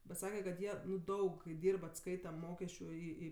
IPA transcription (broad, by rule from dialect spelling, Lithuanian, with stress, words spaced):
bʲɛt ˈsɑːkʲɛ kɐt ˈjiɛ ˈnʊ ˈdɐʊk kɐɪ ˈdʲiːrp ɐtˈskɐɪtɐ ˈmoːkʲɛsʲt͡ʃʲʊ ɪ ɪ